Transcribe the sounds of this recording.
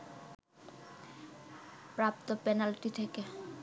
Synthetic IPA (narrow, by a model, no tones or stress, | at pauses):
pɾap̚t̪opɛnalʈit̪ʰeke